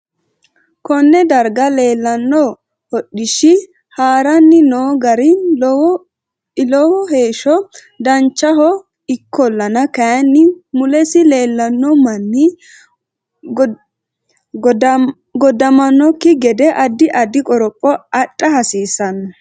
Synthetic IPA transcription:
kɔnːɛd̪ɐɾɡɐle̞ːlːɐnːɔ | hɔɗːɪʃɪ | haːɾɐnːɪnoːɡɐɾɪ | lɔwɔhe̞ːʃɔ | d̪ɐnt͡ʃːɐɦɔ | ɪkʰːɔlːɐnɐkɐjɐnːɪmʊlɛsɪle̞ːlːɐnːɔmɐnːɪ | ɡɔd̪ɐmɐnːɔkːɪɡɛd̪ɛʔɐd̪ːɪʔɐd̪ːɪkʼɔɾɔpʼːɔɐtʼːɐhɐsiːsɐnːɐ

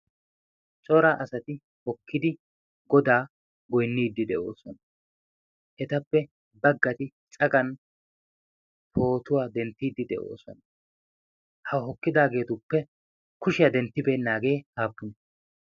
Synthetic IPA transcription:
t͡ʃʼɔɾaːʔɐsɐt̪ɪ | hɔkʰːɪd̪ɪ | ɡɔd̪aː | ɡɔjnːiːd̪ːɪd̪ɛʔo̞̰ːsɔnɐ | ʔɛt̪ɐpːɛ | bɐɡːɐt̪ɪ | t͡sʼɐɡɐn | pʰo̞ːt̪ʊwaːd̪ɛnt̪ːiːd̪ːɪd̪ɛ̰ʔo̞̰ːsɔ̰nɐ | hɐɦɔkːɪd̪aːɡe̞ːt̪ʊpːɛ | kʊʃɪjɐd̪ɛnt̪ːɪbeːnːaːɡe̞ːhaːbːʊnɛ

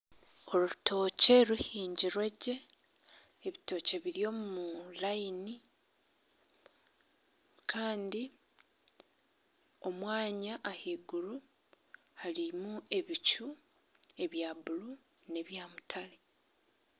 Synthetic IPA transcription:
o̞lutʰo̞ːce̞ɾuhiːɲɟiɾwe̞ɟe̞ː | βito̞ceβiɾjo̞ːmumulajini | kʰaːndi | o̞mwaːɲaʔːhiɡuɾu | halimue̞βicu | e̞βjaβulu | ne̞βjamutʰale

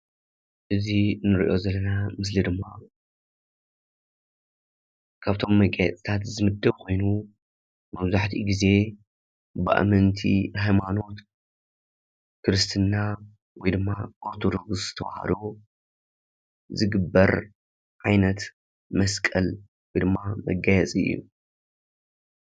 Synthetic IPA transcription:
ʔɨzinɨɾḭʔo̞zɐlːɐnamɨs̬lid̪ɨmːa | kʰaβt̪ʰo̞mːɐkʼjat͡sʼt̪ʰat̪zɨmɨd̪ːɐβkʰo̞jnu | mɐβzaħt̪ʰiɡize̞ | bɨ̰ʔa̰mɨnt̪ʰḭhajmano̞t̪ | kʰɨɾɨst̪ʰɨnːa | wɔjd̪ɨmːaʔoɾt̪ʰod̪o̞ɡszɨ̥t̪ʰɐβ̰ha̰d̪o | zɨɡɨbːɐɾ | ʕajnɐt̪ | mɐskʼɐl | wɔjd̪ɨmːamɐ̰ɡajɛt͡sʼiɨ̰jːṵ

